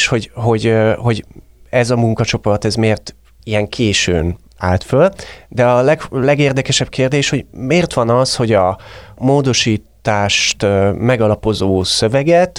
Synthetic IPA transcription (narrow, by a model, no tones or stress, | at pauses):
ʃho̞ɟɦo̞ɟho̞ɟ | ɛzɒmuŋkɒt͡ʃo̞po̞rt̪ɛzmeːrt̪ | ijɛŋkʰeːʃø̰ːn | aːlt̪føld̪ɛɒlɛɡlɛɡeːrd̪ɛkɛʃɛb̥̚keːrd̪eːʃho̞ɟmeːrt̪ʋɒnɒsho̞ɟɒmoːd̪o̞ʃiːt̪ːaːʃt̪mɛɡɒlɒpo̞zoːsø̞vɛɡɛt̪